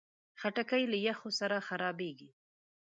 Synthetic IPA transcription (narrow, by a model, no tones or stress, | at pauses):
xaʈakajlajaxosaɾaxaɾɑbeɡi